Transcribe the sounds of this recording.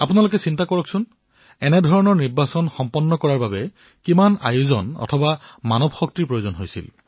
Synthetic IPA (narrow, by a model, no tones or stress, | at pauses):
apunalokɛsintakɔɹɔksʊn | ɛnɛdʱɔɹɔnɔɹniɹbasɔnxɔmpɔnːɔkɔɹaɹbabɛ | kimana̰juzɔ̰nɔ̰tʰɔbamanɔbxɔk̚tiɹpɹojozɔnɦojsḭl